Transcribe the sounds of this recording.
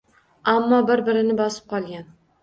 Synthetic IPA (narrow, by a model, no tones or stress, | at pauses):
amːɒbɪɾbɪɾɪnɪbɒsɪ̥p̚qʰɒlˠɡʲan